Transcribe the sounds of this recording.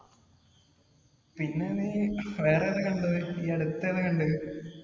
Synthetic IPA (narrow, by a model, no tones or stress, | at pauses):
pinːeniːʋeːreɐnɨkɐɳɖuɨiːɐɽut̪ːeðɨkɐɳɖɨ